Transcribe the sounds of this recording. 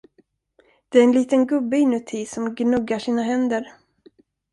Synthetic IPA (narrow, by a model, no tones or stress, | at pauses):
d̪̥ɛæɾɛnliːt̪ənɡɵbːəɪnʉt̪ʰiːsɔmɡnɵɡːaʂiːnaɦɛnd̪əɾ